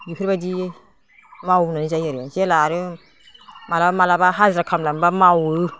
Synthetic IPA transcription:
jukʰɯɾbadi | mawnanizajaɾanselaɾɯ | malabamalabaɦazɾakʰamlambamawɯ

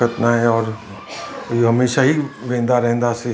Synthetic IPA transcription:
ət̪naɦɛɔːɾ | ɦɐmeːʃaɦiʋẽːnd̪aɾɛɦɛ̃nd̪ase

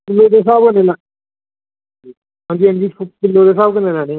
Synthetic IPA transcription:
kɪlːoːd̪eːs̬aːbkəneːlaː | iː | ɦãːnd͡ʒiːɦãːnd͡ʒiːpʊpɪlːoːd̪eːs̬aːbkəneːlãːneː

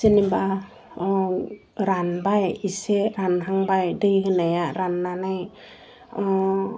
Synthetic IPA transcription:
seniba | ɾanbajiseɾanɦaŋbajdɯjɦɯnajaɾanːanaj

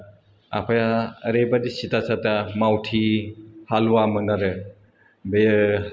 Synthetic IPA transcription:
a̰pʰajaɾebadisitasatamawtʰihaluwamɯnaɾɯ | bej

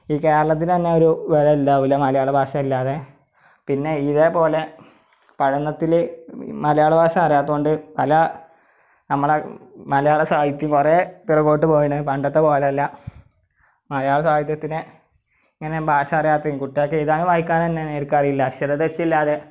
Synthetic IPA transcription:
iːke̞ːɾɐɭɐt̪ːint̪ɐnːeo̞ɾuʋelɐilːaːʋilːɐmɐlɐjaːɭɐbʱaːɕɐmilːaːðe̞ | pinːe̞iðepo̞ːle̞ | pɐɻɐɳːɐt̪ːil̰mɐlɐjaːɭɐbʱaːɕɐmɐrijaːt̪ːuɣoɳɖɨpɐlɐ | nɐmːɐɭemɐlɐjaːɭɐsaːɡɐt̪jumkureːp̪irɐkːoːʈːɨpo̞ːjiɳɨpɐɳɖɐt̪ːepo̞ːleɐlːɐ | mɐlɐjaːɭɐsaːɡɐt̪jɐt̪ːinɨ | iŋːɐne̞bʱaːɕɐɐrijaːt̪ːɐkuʈːijokːejiðaːnuʋaːɦikʲːaːnɐnːeneːɾukːaɐrijilːɐɐɕɐɾɐt̪ːʋet͡ɕːilːaːðe̞

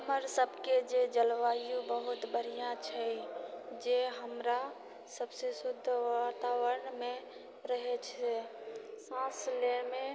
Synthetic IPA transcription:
ɦɦəməɾsəbʱked͡ʒed͡ʒəlʋajubəɦut̪bəɾ̤ijãt͡ʃʰɛ | d͡ʒeɦəmɾa | səbsesud̪ʱːʋat̪aʋəɾɳme | ɾəɦet͡ʃʰesãsleme

